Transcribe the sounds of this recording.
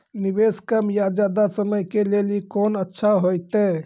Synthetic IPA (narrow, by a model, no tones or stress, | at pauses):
nibeskəmjad͡ʒad̪asəməjkelelikonətːʃʰaɦojt̪e